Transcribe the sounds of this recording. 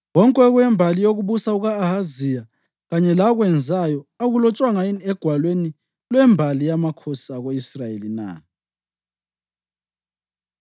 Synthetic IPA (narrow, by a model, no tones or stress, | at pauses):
wɔŋkʼɛɣwɛmbʱalijoɣuβusauɣaːhazija | ɣaɲɛlaɣwɛnd͡zʱajɔaɣulɔt͡ʃʼwaŋajinɛɡ̥ʱwalweni | lwɛmbʱalijamakʰɔsaɣoisrajelina̰ː